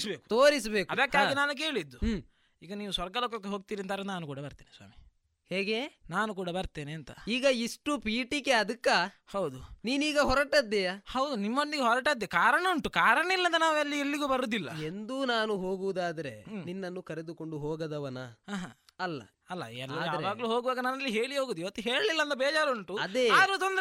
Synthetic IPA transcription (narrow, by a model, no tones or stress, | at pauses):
sbeːkut̪oːɾisɐbeːkɐd̪ɐkːaːɡinaːnuk̬e̞ːɭid̪ːu | iːɡɐniːʋusʋɐɾɡɐloːkɐk̬ːeɦoːɡ̚t̪iːɾɐnt̪aːɾɐnnaːnukuːɽɐbɐɾt̪iːnisʋa̰ːmi | heːɡe̞ːnaːnukuːɽɐbɐɾt̪eːneɐnt̪ɐ̰iːɡɐiʂʈupiːʈikeɐd̪ɐkːa | hɐwd̪uniːniːɡɐɦɔɾɐʈɐd̪ːejahɐwd̪unimːond̪iɡeɦɔɾɐʈɐd̪ːekaːɾɐɳɐuɳʈukaːɾɐɳɐilːɐd̪ɐnaːʋuɐlːielːiɡuːbɐɾuːd̪ilːɐ̰end̪unaːnuɦo̞ːɡuʋud̪aːd̪ɐɾḛninːɐnːukɐɾed̪uko̞ɳɖuɦoːɡɐd̪ɐʋɐnɐaːɦaɐlːɐ̰ | ɐlːɐ̰ɛlːɐjaːʋaːɡɐluɦoːɡuʋaːɡɐnɐnɐlːiɦe̞ːɭiɦoːɡuːd̪uiʋɐt̪ːuɦeːɭlilːɐnd̪ɐbɛːd͡ʒaːɾuɳʈuɐd̪eaːɾut̪ond̪ɾ